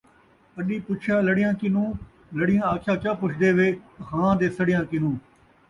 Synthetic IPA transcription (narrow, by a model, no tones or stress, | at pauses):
əɗiːpʊt͡ʃʰjaːləɽɪjãːkɪnũː | ləɽɪjãːaːkʰjaːkjãːpʊt͡ʃʰd̪eːʋeːhãːd̪eːsəɽɪjãːkɪnũː